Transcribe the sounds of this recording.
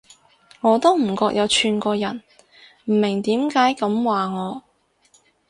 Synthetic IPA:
ŋɔː˨˧t̪o˥wm̩˨˩kɔː˧k̚jʔɐ˨˧wt͡ʃʰyː˨nkɔː˧jɐ˨˩n | m̩˨˩mɪ˨˩ŋt̪iː˨˥mkaː˨˥jkɐ˨˧˥mwaː˨ŋɔː˨˧

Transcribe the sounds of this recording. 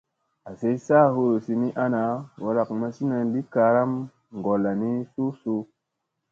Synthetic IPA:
a˨se˦jsaː˦˨ɦo˦ɾo˨si˧ni˦ʔa˦na˨˦wa˨ɾa˨kma˧si˦na˧nli˦ka˧ɾa˦m | ŋ˨ɡo˨lːa˨ni˦su˦su˦

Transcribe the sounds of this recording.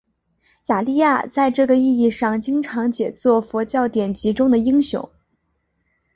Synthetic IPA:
ja˨˩li˥˧ja˥˩t͡sa˥˧ɪʈ͡ʂɤ˥˩ɡə˩i˥˧i˥˧ʂɑ˥˩ŋt͡ɕi˥ŋʈ͡ʂʰɑ˧˥ŋt͡ɕjɛ˨˩t͡swɔ˥˩fwɔ˧˥t͡ɕjɑ˥˩ʊt̪jɛ˨˩nt͡ɕi˧˥ʈ͡ʂʊ˥ŋd̪ə˨i˥ŋɕjʊ̰˧˥˦ŋ

